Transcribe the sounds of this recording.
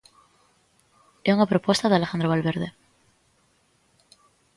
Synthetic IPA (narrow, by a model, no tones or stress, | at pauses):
esunapɾopwe̞st̪aðealexand̪ɾoβalβe̞ɾðe